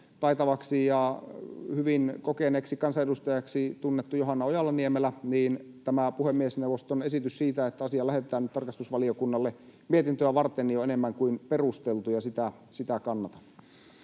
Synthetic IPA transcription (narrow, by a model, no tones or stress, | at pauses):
t̪ɑit̪ɑʋɑksijɑ | hyʋinkokeneːksikɑnsɑedust̪ɑjɑksit̪unːet̪ːujoɦɑnːɑojɑlːˑɑniemelæniːnt̪æmæpuhemːiesnewʋːˑost̪onesit̪yssiːt̪æet̪ːæɑsiɑlæhet̪ˑæːnyt̪ɑrkɑst̪usʋɑliokunːɑlːemiet̪int̪øæʋɑrt̪enːioenemːæŋkuinperust̪elt̪ujɑsit̪æ | sit̪ækɑnːɑt̪ɑ̥nːu̥